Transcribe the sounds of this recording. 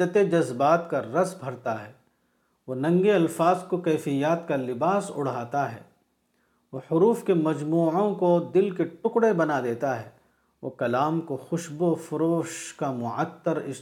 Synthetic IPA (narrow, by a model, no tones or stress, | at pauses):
ət̪ed͡ʒɐzbaːt̪kaɾɐsbʱɐɾt̪aɦɛː | ʋoːnɐ̃ŋɡeɐlfaːzkokɛːfɪjaːt̪kalɪbaːsʊ̰ɽ̤aːt̪aɦɛ̰ː | ʋoːhʊɾuːfkemɐd͡ʒmuːʕõkod̪ɪlkeʈʊkɽebɐnad̪eːt̪aɦɛː | ʋo̰ːkɐlaːmkoxʊʃbofʊɾoːʃkamʊʕət̪ːəɾɪ̰